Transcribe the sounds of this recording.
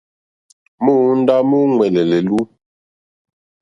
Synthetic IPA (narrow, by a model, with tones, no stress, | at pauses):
mu˦n̩˦da˦mu˦ŋwɛ˨lɛ˨lɛ˨lu˦